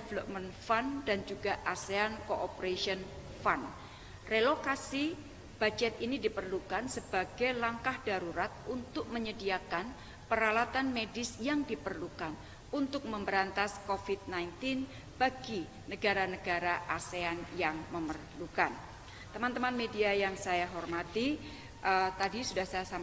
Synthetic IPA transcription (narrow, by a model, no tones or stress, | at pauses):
devəlop̚mɛnfandand͡ʒuɡaʔaseankoʔopəɾesiən | fan | relokasi | b̥ad͡ʒɛt̪̚inidipərlukansəb̥aɡ̥ajlaŋkahd̥aɾuɾat̪̚unt̪ʊk̚məɲədiakan | pəɾalat̪anmedɪsjaŋdipərlukan | unt̪ʊk̚məmbəɾant̪askofit̪̚najnt̪ɪn | b̥aɡi | nəɡaɾanəɡaɾaʔaseanjaŋməmərlukan | t̪əmant̪əmanmediajaŋsajaɦɔrmat̪i | ʔət̪adisudahsajasa